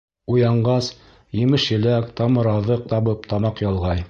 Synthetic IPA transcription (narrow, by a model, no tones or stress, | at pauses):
ujɑɴɢɑs | jɘ̆mɘʃjɘ̆lækt̪ɑmɤ̆ɾɑðɤq̚t̪ɑβɤpt̪ɑmɑqjɑlˠʁɑj